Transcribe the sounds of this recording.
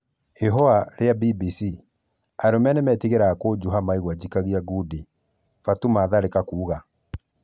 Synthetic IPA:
eɦɔaɾeabibisi | aɾomɛnɛmɛːtiɣeɾaːkoːd͡ʑuɦamaiɣwad͡ʑikaɣiaɡudi | fatumaːðaɾekakuːɣa

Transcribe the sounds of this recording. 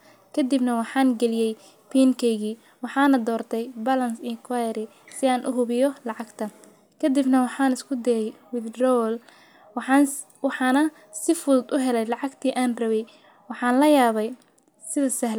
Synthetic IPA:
kʰɐd̪ibnɐwɑħɑːŋɡɛlɪjɛj | pʰiːŋkʰɛjɣiː | wɑħɑːnɐd̪ɔːrt̪ʰɛjbɐlɐnsɪŋkʰwajɐɾɪ | sɪaːnʔʊɦʊβɪjɔlɑʕɑɡt̪ʰɐ | kʰɐd̪ibnɐwɑħɑːnɪskʰʊd̪ɛjɛjwɪd̪rɔwl | w | wħɑːnɐ | sɪfʊðʊd̪ʊɦɛlɛjlɑʕɑɡt̪ʰiːʔaːnrrɐβɛj | wɑħɑːnlɐjaːβɛj | sɪðɐsɐhl

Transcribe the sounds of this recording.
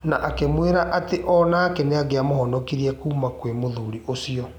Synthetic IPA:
naʔakemweɾaʔateʔɔnaːkɛneaɡeamoɦɔnɔkiɾiɛkuːmakwemoðuɾiʔosiɔ

